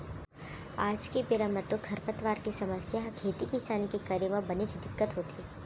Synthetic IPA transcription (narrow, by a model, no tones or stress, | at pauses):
aːd͡ʒkipɪɾamət̪ːõkʰɐɾpət̪ʋaːɾkesɐməsjaɦkʰeːt̪ikĩsaːnikekəɾemə̃bɐnet͡ʃd̪ɪkːət̪ɦoːt̪i